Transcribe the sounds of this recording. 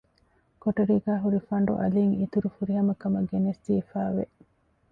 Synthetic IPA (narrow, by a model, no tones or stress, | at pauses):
koʈɐɾiːɡæːɦuɾifɐɳɖṵʔɐ̰liŋit̪uɾufuɾiɦɐmɐkɐmɐɡenest̪iːfaːʋḛʔ